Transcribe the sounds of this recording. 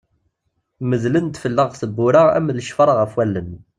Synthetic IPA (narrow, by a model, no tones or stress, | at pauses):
məzlənt̪fəlːəʁsəbːʊɾaæ̰mðəʃfəɾˤʁəfwælːən